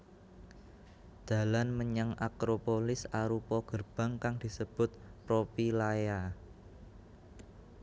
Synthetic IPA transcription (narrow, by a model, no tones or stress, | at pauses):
d̪̥ä̤lanməɲəŋakɾopolɪsaɾupɔɡ̥ərb̥ä̤ŋkaŋd̪̥i̤səb̥ʊt̪̚pɾopilaja